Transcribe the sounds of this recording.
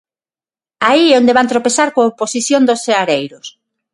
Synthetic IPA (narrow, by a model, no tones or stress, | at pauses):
aiɛond̪eβant̪ɾopesaɾkoːposiθjond̪oseaɾejɾʊs